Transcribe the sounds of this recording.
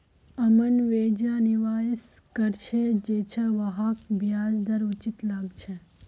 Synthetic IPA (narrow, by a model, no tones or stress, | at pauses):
ɐmənʋeːd͡ʒaːniʋaːɪskəɾt͡ʃʰed͡ʒeːt͡ʃʰaʋɐɦaːkbjaːd͡ʒd̪ɐɾut͡ʃit̪laɡt͡ʃʰe